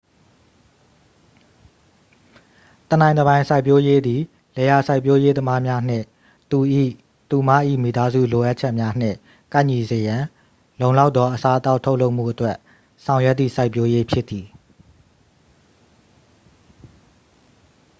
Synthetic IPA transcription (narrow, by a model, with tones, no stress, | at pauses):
t̪ə˨nã˨ɪ̃nəβã˨ɪ̃sʰa˦ɪpjo˦je˦d̪i˨ | lɛ˨ja˨sa˦ɪpjo˦je˦t̪əma˦mja˦n̥ɪ̰̃˦˨ | t̪u˨ʔḭ˦˨ | t̪u˨ma̰˦˨ʔḭ˦˨mi˨t̪a˦zṵ˦˨lo˨ʔa˦t̚t͡ɕʰɛ˦ʔmja˦n̥ɪ̰̃˦˨ | kã˦˨ɲi˨zə˨jã˨ | lõ˨ʊ̃la˦ʊt̪ːɔ˦ʔəsa˦t̪a˦ʊʔtʰo˦ʊʔlo˦ʊʔm̥ṵ˦˨ʔətwɛ˦ʔ | sʰã˨ʊ̃jɛ˦t̪ːḭ˦˨sa˦ɪpːjo˦je˦pʰjɪ˦t̪ːi˨